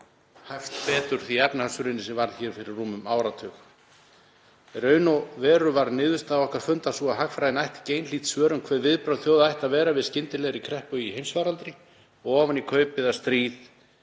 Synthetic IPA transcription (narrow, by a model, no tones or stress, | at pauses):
hajft̪pɛːt̪ʏɾ̥θiɛpnhasʏɾɪnɪsɛvaɾð̥çɛːɾ̥fɪɾɪrːuːmʏmaːwɾat̪ʰœːx | rœːɥnɔvɛːɾʏvaɾnɪːðʏst̪aːɔhkaɾ̥fʏnt̪asuaɦakfɾajɪnajht̪cejnliːt̪svœːɾʏmkʰvɛːðvɪðpɾaːwðθjowðaajht̪aðvɛːɾavɪðscɪnt̪ɪlɛɣɾɪkʰɾɛhpœjiɦejmsvaːɾalt̪ɾɪ | ɔɣɔːvanikʰœːɥpɪðast̪ɾiːð